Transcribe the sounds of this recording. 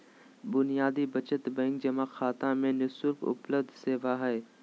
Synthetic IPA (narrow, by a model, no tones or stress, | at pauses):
bʊnijaːd̪ibət͡ʃət̪bɛ̃ŋk̚d͡ʒəmaːxaːt̪ãmẽnʊsʊfʊ̰pləd̪ʱseːʋaːɦɛe